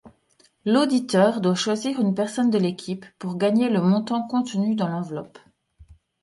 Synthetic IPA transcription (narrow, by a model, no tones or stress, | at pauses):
lod̪it̪œːʁd̪waʃwaziʁynpɛʁsɔnd̪əlekʲʰipːuʁɡaɲeləmɔ̃t̪ɑ̃kɔ̃t̪nyd̪ɑ̃lɑ̃vlɔ̰p